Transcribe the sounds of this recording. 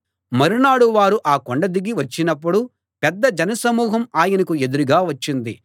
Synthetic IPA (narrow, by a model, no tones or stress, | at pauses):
mɐɾunaːɽuʋaːɾuʔaːkoɳɖɐd̪iɡːiʋɐt͡ʃːinɐp̬ːuɽu | pɛd̪ːɐd͡ʒɐnɐsɐmuːɦɐmaːjɐnɐkue̞d̪uɾuɡaːʋɐt͡ʃːind̪i